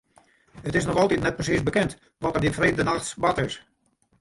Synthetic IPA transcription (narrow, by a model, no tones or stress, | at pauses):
ətɪsnɔxɔlˠtitnɛt̚prəsisbəkɛnt | ʋɔtərdinfreːdənaxsʋatɪs